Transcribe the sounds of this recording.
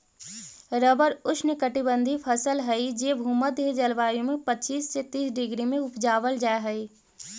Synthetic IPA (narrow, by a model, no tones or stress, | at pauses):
ɾəbəɾʊʃnəkəʈibə̃nd̪ʱipʰɐsəlɦɐid͡ʒeːbʱuːmət̪ed͡ʒɐlʋaːijõmẽpət͡ʃiːsset̪iːsɖɪɡɾimẽʊpd͡ʒaːʋəld͡ʒaːeɦɐiː